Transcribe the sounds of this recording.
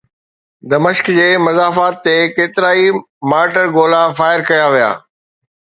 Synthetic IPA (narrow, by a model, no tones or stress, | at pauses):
d̪ɐmɪʃkd͡ʑeːmɐzaːfaːt̪ːekeːt̪ɪɾaːi | maːɾʈəɾɡoːlafaːɪɾkɐjaʋija̰ː